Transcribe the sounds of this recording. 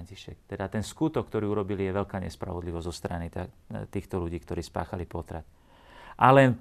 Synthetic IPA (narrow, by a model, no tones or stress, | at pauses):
ɲciʃɛk̚t̪ɛd̪at̪ɛnskut̪ɔkːt̪ɔɾiːuɾɔbilijɛʋɛlkaːɲɛ̰spɾa̰ʋɔd̪liʋɔzzɔst̪ɾanit̪a | t̪iːxt̪ɔluɟiːkt̪ɔɾiːspa̰ːxalipɔt̪ɾat̪ | ʔalɛn